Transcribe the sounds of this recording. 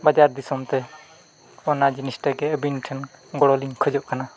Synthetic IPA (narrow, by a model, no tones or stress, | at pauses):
bad͡ʒaɾd̪isɔmt̪ɛ | ɔnad͡ʒinisʈəɡɛəbinʈʰənɡɔɽɔliŋkʰəd͡ʒɔʔkana